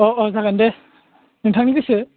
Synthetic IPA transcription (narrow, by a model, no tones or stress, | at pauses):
ɔʔɔzaɡande | nɯtʰaŋniɡɯsɯ